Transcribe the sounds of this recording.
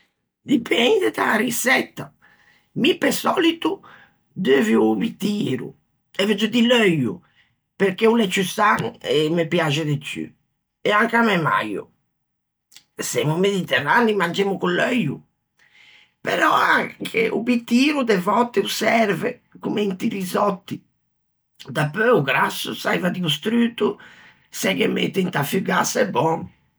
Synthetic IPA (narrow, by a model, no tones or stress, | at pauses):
d̪ipʰɛnd̪ed̪a̰risɛt̪ːa | mipːesɔːlit̪u | d̪øːviupit̪iːɾṵ | ɛvɛd͡ʒɔd̪iløjṵ | peɾkeulɛt͡ʃːysaŋɛmepjad͡ʒɛd̪et͡ʃːy̰ | ɛaŋkamɛma̰jṵ | sɛmumeðit̪ɛrːanimand͡ʒɛmukulːœjṵ | pɛ̰ɾɔaŋkʰḛʔṵbit̪ːiːɾud̪ɛvɔt̪ːɛusɛɾvɛkumɛint̪iɾizɔt̪ːi | d̪apːøuɡɾasːusaivad̪iust̪ɾyːt̪u | sɛkɛmḛt̪ːɛint̪afyɡasɛbːɔn